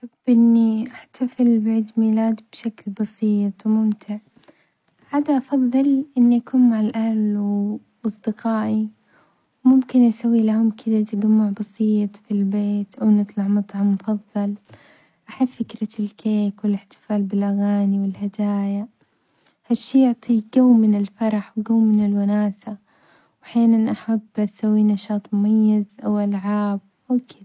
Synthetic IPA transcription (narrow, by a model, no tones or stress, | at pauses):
ħabʔɪnːiʔaħt̪ʰafɪlbaʕiːd̪miːlaːd̪b̥ʃaklbɑsiːt̪ˤwmʊmt̪ʰɪʕ | ħaːd̪aʔɑfɑðˤːɨlʔɪnːiʔakuːnmaʕalʔal | ʔɑsˤd̪ɪqɑːʔi | wmʊmkɪnʔasawːilahʊmkʰɪd̪at̪ɪɡamːʊʕbɑsiːt̪ˤfilbeːt̪ʔawnɨt̪ˤlɑʕmɑt̪ˤʕɑmːʊfɑðˤːɑl | ʔaħabfɪkɾalkʰeːkwɪlɪħt̪ɪ̥faːlbɪlʔaɣaːniwɪlhad̪aːja | haʃːiːjʊʕt̪ˤiɡawmɪnɪlfɑɾˤɑħwɡawmɪnɪlwanaːsa | wʔaħjaːnanʔaħabːsawːinɑʃɑːt̪ˤmʊmajːazʔawʔalʕaːb̚ʔawkʰɪd̪a